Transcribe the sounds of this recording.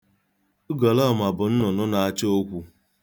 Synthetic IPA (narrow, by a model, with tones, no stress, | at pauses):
ɡɔ˨lɔ˦˨ma˨bʊ˨n̩˦nʊ˨nʊ˦na˨a˦t͡ʃo˦kʷu˦